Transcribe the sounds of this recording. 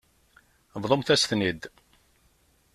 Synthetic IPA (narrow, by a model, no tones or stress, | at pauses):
vðˤomθæsθnid̪